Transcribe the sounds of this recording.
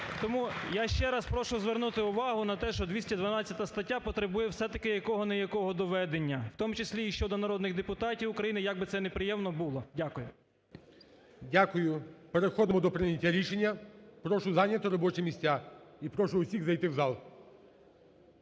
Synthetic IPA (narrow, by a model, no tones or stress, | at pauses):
t̪ɔmujaʃt͡ʃɛɾɐspɾɔʃʊzʋernut̪ɪʊʋɑɦʊnɐt̪ɛʃt͡ʃɔd̪ʋʲisʲtʲɐd̪ʋɐnɑt͡st͡sʲːɐt̪ɐst̪ɐtʲːapɔt̪ɾebujɛwsɛt̪ɐkɪjɐkɔɦɔnɛjɐkɔɦɔd̪ɔʋɛd̪enʲːɐwt̪ɔmʊt͡ʃesʲlʲiːʃt͡ʃɔd̪ɔnɐɾɔd̪nɪɣd̪epʊt̪ɑtʲiwʊkɾɐjinɪjaɡ̚bɪt̪sɛnepɾɪjɛmnɔbʊlˠɔdʲakʊjʊ | dʲakʊjʊpeɾexɔd̪ɪmɔd̪ɔpɾɪnʲɐtʲːaɾʲiʃenʲːɐpɾɔʃʊzɑnʲjɐt̪ɔɾɔbɔt͡ʃɛmʲisʲtʲaipɾɔʃʊʊsʲiɣzɐjt̪ɪwzɑlˠ